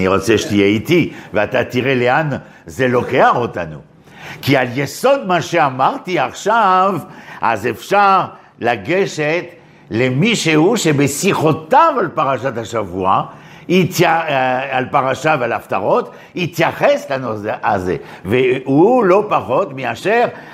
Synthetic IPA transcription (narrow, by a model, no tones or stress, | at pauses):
niʁot͡seʃe̥t̪ijeit̪iveat̪at̪iʁelean | zelokeaχot̪a̰nṵ | kialjesod̪maʃeamaʁt̪iaχʃavʔa̰zefʃaʁ | laɡeʃet̪ | lemiʃeuʃebesiχot̪avalpaʁaʃat̪aʃavua | it̪jaalpaʁaʃavealaft̪a̰ʁot̪ | it̪jaχestanuzeʔaze | veulopaχot̪miaʃeʁ